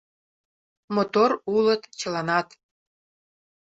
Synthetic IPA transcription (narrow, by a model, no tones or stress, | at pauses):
mot̪oɾulət̪t͡ɕə̆lɑnɑt̪